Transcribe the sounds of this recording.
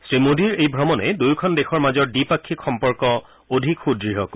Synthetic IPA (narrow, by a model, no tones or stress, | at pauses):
stɹimodʱiɹejbʱɹɔmɔnɛdujkʰɔndexʰɔɹmazɔɹdipakʰːikxɔmpɔɹkɔ | odʱikxudɹiɦɔk